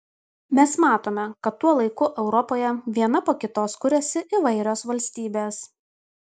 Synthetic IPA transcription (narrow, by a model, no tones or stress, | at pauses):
mʲɛsmɑːt̪oːmʲɛkɐt̪ːuɔlˠɐɪkʊʔɛʊɾɔpoːjɛʋʲiɛnɐpoːkʲɪt̪oːskʊɾʲɛsʲɪʔɪʋɐɪɾʲoːsʋɐlʲsʲt̪ʲiːbʲeːs